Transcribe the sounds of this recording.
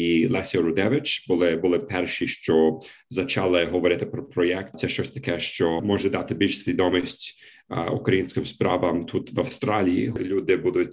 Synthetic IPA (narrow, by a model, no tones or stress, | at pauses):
ilˠɛsʲɛɾʊd̪ɛʋɪt͡ʃbʊlˠɪbʊlˠɪpɛrʃiʃt͡ʃɔ | zɐt͡ʃɑlˠɪɦɔʋɔɾɪt̪ɪpɾɔpɾɔjɛk̚t̪t̪sɛʃt͡ʃɔsʲt̪ɐ̥kɛʃt͡ʃɔmɔʒɛd̪ɑt̪ɪbʲilʲʃsʲʋʲid̪ɔmisʲtʲ | ṵkɾɐjinʲsʲkʲɪmspɾɑ̰ʋɐmt̪ʰut̪ʋɐwst̪ɾɑlʲijḭɦɔlʲud̪ɪbud̪ʊtʲ